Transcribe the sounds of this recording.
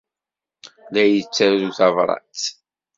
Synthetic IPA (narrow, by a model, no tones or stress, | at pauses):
ðæjət͡sːæɾðuθɑvɾˤɑ̰t͡s